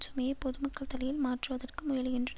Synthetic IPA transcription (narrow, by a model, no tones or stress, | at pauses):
t͡ʃʊmɐjɐpɔðɯmɐkːɐɭt̪ɐlɐjɪlmaːʈrɯʋɐðɐrkɯmʊjɐlɪɣɪndrɐ